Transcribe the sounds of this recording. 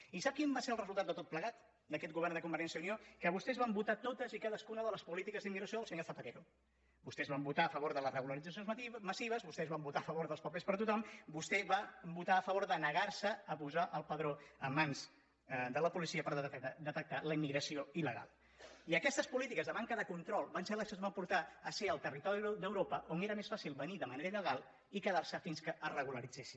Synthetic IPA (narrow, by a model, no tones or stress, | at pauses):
isap̚kimbaseəlˠrəzulˠt̪at̪d̪d̪ət̪ot̪̚pləɣat̪ | d̪əkɛt̪ɡuβɛrnd̪əkumbəɾɛnsjəuniokəβust̪ɛzβambut̪at̪ot̪əzikaðəskunəðələspulit̪ikəzðimiɣɾəsijoðəlˠsəɲoɾθəpət̪eɾu | bust̪ɛzβambut̪aːfəβoɾðələrəɣuləɾidd͡zəsjonzmməsiβ̞əzβust̪ɛzβambut̪afəβoɾðəlˠspəpespəɾt̪ut̪ɔmbust̪ɛβambut̪aəfəβoɾðənəɣaɾsəəpuzaʔəlˠpəðɾoəmːanz | d̪ələpulisiəpəɾd̪ət̪ək̚t̪aləimːiɣɾəsioiləɣa̰lˠ | iəkɛst̪əspulit̪ikəzðəβaŋkəðəkunt̪ɾɔlˠβansɛləsonzβampuɾt̪aəseəlˠt̪ərit̪ɔɾid̪əwɾopəʔoneɾəmesfasilˠβəniðəməneɾəiləɣ̞alˠ | ikəðaɾsəfinskəʔərəɣuləɾid͡zesi̥